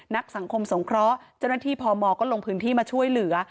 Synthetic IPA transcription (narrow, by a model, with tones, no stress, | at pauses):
na˦˥k̚sa˩˦ŋkʰo˧mso˩˦ŋkʰɾɔː˦˥t͡ɕa˥˩wnaː˥˩t̪ʰiː˥˩pʰɔː˧mɔː˧kɔː˥˩lo˧ŋpʰɯː˦˥nt̪ʰiː˥˩maː˧t͡ɕʰu˥˩əjlɯ˨˩˦ɐ